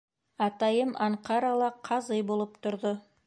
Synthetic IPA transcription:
ɑt̪ɑjəmʔɑɴqɑɾalˠɑqʰɑzəjbolˠəp̚t̪ʰʊɾd̪ə

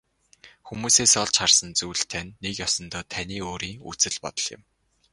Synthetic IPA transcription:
xumuːseːsɔɮt͡ɕχarsə̆nt͡suːɮt̪ʰænʲːekjɔsɞ̆nt̪ɔːt̪ʰæniːoːɾiːŋṵt͡sɘ̆ɮpɔ̰t̪ɞ̆ɮjɪ̰̆m

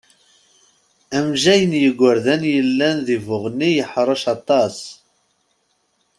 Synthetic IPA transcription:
æmʒæjənjəɡʷːəɾðænjəlːænðivʊʁnːijəħɾˤɑʃɑt̪ˤɑs

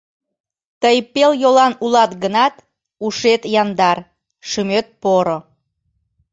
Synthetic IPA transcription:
t̪əjpeljolɑnulɑt̪ɡənɑt̪ | uʃet̪jɑnd̪ɑr | ʃymøt̪̚poɾo

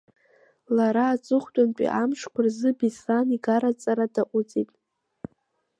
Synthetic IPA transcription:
laɾaːt͡sʼɨχʷtʷʼanpʼḭʔamʂkʷʊrzɨbisaniɡaɾat͡sʼaɾadaʔʷʼʊt͡sʼitʼ

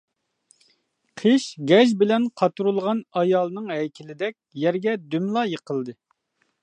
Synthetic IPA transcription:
qʰeʃɡʲɛʒbɪlɛnqʰɑt̪uɾulˠʁɑnɑjɑːlˠnɨŋɦɛjkʲʰɪlɪd̪ɛk̚ʲjɛɾɡʲɛd̪ymlˠɑjəqʰəlˠd̪ɨ

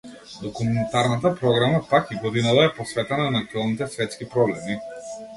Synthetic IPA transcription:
d̪ɔkumɛnt̪aɾnat̪apɾɔɡɾamapakiɡɔd̪inat̪aɛpɔsvɛt̪ɛnanakt̪ɛlˠnit̪ɛsvɛt̪skipɾɔblɛmi

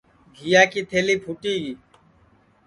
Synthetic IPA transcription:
ɡʱijaːkiːt̪ʰeːliːpʰuʈiːɡiː

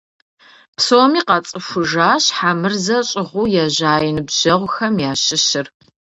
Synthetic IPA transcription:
psoːmiːqɐt͡sʼɨfʷʊʒaːɕħaːmɨrzɐɕʼɪʁʷuːjɛʑaːjɪnɨbʑ̥ɐʁʷxɐmjaːɕɪɕɪr

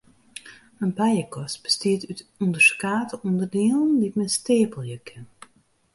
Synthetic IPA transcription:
ənbɛjəkʰɔstb̥ə̥stiətytundərskaːtəundərdiːlˠn̩ditmɛnsteːpəl̩ˠjəkʰɪn

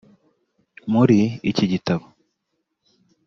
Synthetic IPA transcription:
muɾiiciɟitaβo

